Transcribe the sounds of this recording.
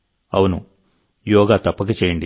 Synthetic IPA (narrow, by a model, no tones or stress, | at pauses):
ɐ̰wunu | jɔːɡaːt̪ɐpːɐkɐt͡ʃeːjɐɳɖi